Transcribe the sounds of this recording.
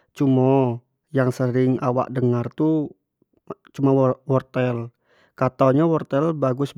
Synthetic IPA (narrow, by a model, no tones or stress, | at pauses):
t͡ʃumɔ | jaŋsəɾɪŋawa̰ʔdəŋart̪u | t͡ʃumawɔrt̪ɛl | kat̪aɲawɔrt̪ɛlbaɡʊs